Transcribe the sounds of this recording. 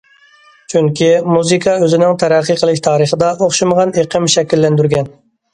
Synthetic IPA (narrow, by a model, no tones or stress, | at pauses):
t͡ʃʰyŋkʲimuzɨkʰɑøzɪnɪŋt̪ʰæɾæqːəqʰəlˠɪʃʲt̪ʰɑːɾəχəd̪ɑʔoχʃɨməʁɑneqʰəmʃɛkʲilːɛnd̪yɾɡʲɛn